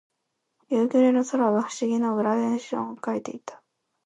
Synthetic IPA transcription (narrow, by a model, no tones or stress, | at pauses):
jɯːkʲoɾenoso̞ɾaβaɸɯ̟̥ɕiɡʲino̞ɯ̟ɾaβẽɰ̃ɕiõ̰ŋ̃okait̪e̞̰it̪ḁ